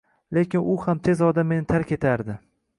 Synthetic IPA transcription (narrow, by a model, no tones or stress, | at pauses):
lekʲɪnʊhamt̪ʰe̞zɒd̪amːe̞nɪt̪ʰaɾkʲʰe̞t̪ʰaɾd̪ɪ